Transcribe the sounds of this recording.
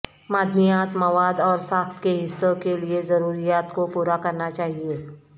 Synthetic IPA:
maːd̪ʱmijaːt̪mɐʋaːd̪ɔːɾsãːxt̪ʰkeɦɪsːokeliezɐɾuːɾijaːt̪kopuːɾakɐɾnat͡ʃaːɦieː

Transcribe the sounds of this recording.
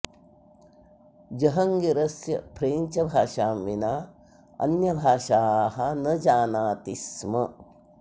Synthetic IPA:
d͡ʒɐɦɐŋɡiɾɐsjɐ̰pʰɾeːɲt͡ʃɐbʱaːʃaːmʋinaː | ɐ̰njɐbʱaːʃaːɦɐnɐd͡ʒaːnaːt̪ismɐ

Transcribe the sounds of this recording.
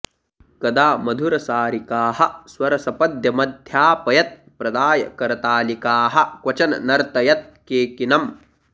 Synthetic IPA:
kɐd̪aːmɐd̪ʱuɾɐsaːɾikaːhɐ̆swɐɾɐsɐpɐd̪ʱjɐmɐd̪ʱjaːpɐjɐt̪̚ | pɾɐd̪aːjɐ̰kɐɾɐt̪aːlikaːɦɐ̆kwɐt͡ʃɐnɐ̰nɐɾt̪ɐjɐt̪̚keːkinɐm

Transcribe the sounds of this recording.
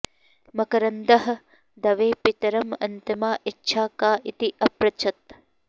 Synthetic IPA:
mɐkɐɾɐnd̪ɐɦɐ̆ | d̪ɐʋeːpit̪ɐɾɐmɐ̰nt̪imaːʔitːʃʰaːkaːʔit̪iʔɐpɾɐt͡ʃʰɐt̪

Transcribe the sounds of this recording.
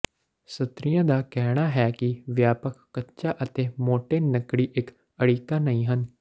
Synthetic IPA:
sət̪ɾɪjãːd̪aːkɛːɽ̃aːɦɛːkɪʋjaːpəkʰːətːʃaːʔət̪eːmoːʈeːnəkɽiːʔɪk | əɽiːkaːnəĩːɦən

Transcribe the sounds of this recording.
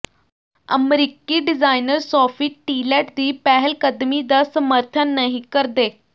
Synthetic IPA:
ə̰mɾikiːɖid͡zajnəɾsɔfiʈːilɛʈd̪iːpæɦelkəd̪mid̪asəməɾt̪ʰənːəɦikəɾd̪e

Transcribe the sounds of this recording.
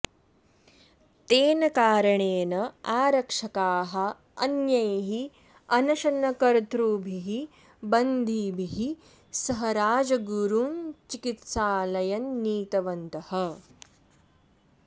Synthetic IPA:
t̪eːnɐkaːɾɐɳeːnɐaːɾɐkʂɐkaːɦɐ | ɐnjɐjɦi | ɐnɐʃɐnɐkɐɾt̪ɾuːbʱiɦi | bɐnd̪ʱiːbʱiɦi | sɐɦɐɾaːd͡ʒɐɡuɾuːnt͡ʃikit̪saːlɐjɐnːiːt̪ɐʋɐnt̪ɐhɐ

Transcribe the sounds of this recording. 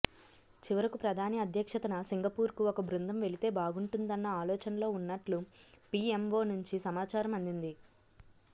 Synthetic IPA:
t͡ʃiʋɐɾɐkupɾɐd̪ʱaːniɐd̪ʱjɐkʂɐt̪ɐnɐsiŋɡɐpuːɾkuɔkɐbɾund̪ʱɐmʋe̞ɭit̪e̞ːbaːɡuɳʈund̪ɐnːɐaːlɔːt͡ʃɐnɐlo̞ːunːɐʈlupiːemʋo̞ːnuɲt͡ʃisɐmaːt͡ʃaːɾɐmɐnd̪ind̪i

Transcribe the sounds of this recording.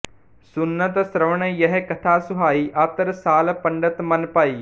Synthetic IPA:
sʊnːət̪sɾəʋɳejəɦekət̪ʰaːsʊɦaːiːʔat̪əɾsaːlpəɳɖət̪mənpaːiː

